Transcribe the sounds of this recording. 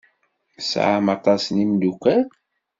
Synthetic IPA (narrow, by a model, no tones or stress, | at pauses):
sʕa̰mɑt̪ˤɑsnimdukːæ